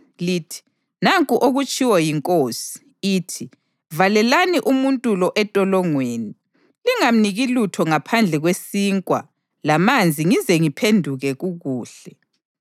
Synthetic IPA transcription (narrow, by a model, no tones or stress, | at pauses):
liːtʰi̥ | naŋkʼuʔoɣut͡ʃʼiwajiŋkʼoːsi̥ː | tʰi | valɛlaniʔumuntʼulɔʔɛtʼɔlɔŋweːni | liŋam̩niɣilutʰɔŋapʰand͡ɮʱɛɣwesiːŋkʼwa̰ | lamand͡zʱiŋizɛŋipʰendʱuɣɛɣuɣuːɬɛ